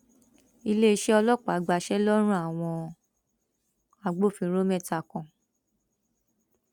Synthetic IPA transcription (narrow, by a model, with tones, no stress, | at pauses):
i˧le˦i˧ʃɛ˦ɔ˧lɔ˦˨k͡pa˨˦ɡ͡ba˧ʃɛ˦lɔ˦ɾ̃ũ˦a˨w̃ɔ̃˧ | a˨ɡ͡bo˦˨fĩ˧ɾo˦mɛ˦˨ta˨kɔ̃˨